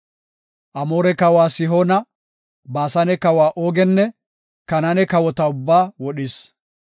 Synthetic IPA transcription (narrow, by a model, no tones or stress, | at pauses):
ʔɐmo̞ːɾɛkɐwaːsɪɦoːnɐ | baːsɐnɛkɐwaːʔoːɡɛnːɛ | kɐnɐnɛkɐwɔt̪ɐʊbːaːwɔɗɪs